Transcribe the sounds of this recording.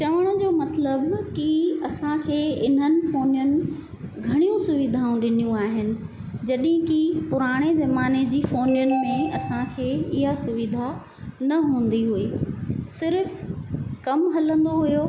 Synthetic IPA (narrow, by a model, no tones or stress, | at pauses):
t͡ɕɐʋəɽ̃ə̆d͡ʑoːmɐt̪ləbkɪɐsãkʰeːɪn̤ɦənɪ̆foːnjənɪ̆ | ɡʱɐɽ̃ijũsʊʋɪd̪ʱaːũɗɪnijũaːɦɪnɪ̆ | d͡ʑɐɗɦɪ̃kipʊɾaːɽ̃ezɐmaːned͡ʑiːfoːnjənɪ̆mẽɐsãkʰeːɪɦasʊʋɪd̪ʱa | nɐɦũːn̆d̪iɦueːsɪɾfkɐmɦɐlə̃nd̪oɦujo